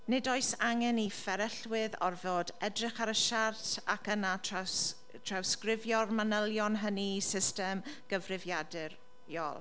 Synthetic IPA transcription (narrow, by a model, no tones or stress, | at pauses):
nɪdɔɨsaŋɛnifɛɾɛɬwɪðɔrvoːdɛdrɪχaɾəʃartʰakəna | tʰrawskrɪvjɔrmanəlˠjɔnɦənisɪstɛmɡ̥əvrɪvjadɨr | jɔ̰lˠ